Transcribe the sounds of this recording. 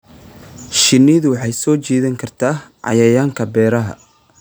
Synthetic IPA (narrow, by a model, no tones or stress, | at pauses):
ʃɪnːɪðʊwɑħɑjsɔːt͡ʃiːðɐŋkʰɐrt̪ʰaːʕɑ̰jɐjaːŋkʰɐbɛːɾɐɦɐ̰